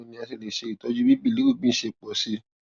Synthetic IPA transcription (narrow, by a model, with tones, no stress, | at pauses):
nĩ˧˦a˧si˨le˨ʃe˧i˨tɔ˧˦d͡ʒu˦bi˦bi˦˨li˨˦u˦˨ɡ͡bĩ˦ʃe˧˨k͡pɔ˨si˧˦